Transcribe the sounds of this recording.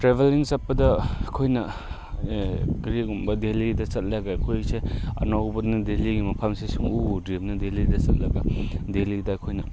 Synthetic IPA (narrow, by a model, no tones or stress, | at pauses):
tɾebʱeliŋsɐt̚pɐdɐɐkʰojnɐ | ɡɾiɡumbɐdelidɐsɐt̚laɡakʰojseɐ̰nobot̚nɐdeliɡimɐpʰamsesuŋudɾimnɐdelidɐsɐt̚lɐɡɐdelidɐːkʰojnɐ